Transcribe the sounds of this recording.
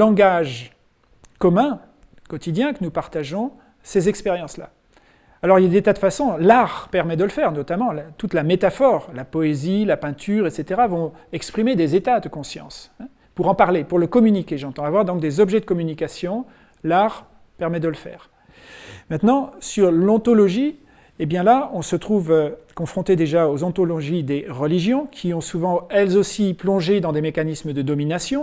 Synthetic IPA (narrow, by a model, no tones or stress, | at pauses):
lɑ̃ɡaʒ | kɔmɛ̃ | kɔt̪id̪jɛ̃kənupaʁt̪aʒɔ̃ | sezɛkspeʁjɑ̃sla̰ | alɔʁiljad̪et̪ad̪əfasɔ̃laʁpɛʁmɛd̪ələfɛʁnɔt̪amɑ̃lat̪ut̪lamet̪afɔʁlapɔezilapɛ̃t̪ʰyʁɛt̪set̪eʁavɔ̃ɛkspχimed̪ezet̪ad̪əkɔ̃sjɑ̰̃s | puʁɑ̃paʁlepuʁləkɔmynikʲeʒɑ̃t̪ɑ̃avwaʁd̪ɔ̃k̚d̪ezɔbʒɛd̪əkɔmynikasjɔ̃ | laʁ | pɛʁmɛd̪ələfɛ̰ːʁ | mɛ̃t̪nɑ̃syʁlɑ̃t̪ɔlɔʒi | ebjɛ̃laɔ̃sət̪χuvkɔ̃fχɔ̃t̪ed̪eʒaozɑ̃t̪ɔlɔʒid̪eʁəliʒjɔ̃kʲʰiɔ̃suvɑ̃ɛlzosiplɔ̃ʒed̪ɑ̃d̪emekanisməd̪əd̪ɔminasjɔ̃